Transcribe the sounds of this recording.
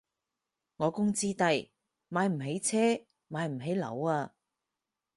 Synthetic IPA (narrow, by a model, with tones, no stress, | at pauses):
ŋɔː˨˧kʊ˥ŋt͡siː˥t̪ɐ˧j | maː˨˧jm̩˨˩ɦe˨˥jt͡sʰɛː˥ | maː˨˧jm̩˨˩ɦe˨˥jlɐ̰˨˧waː˧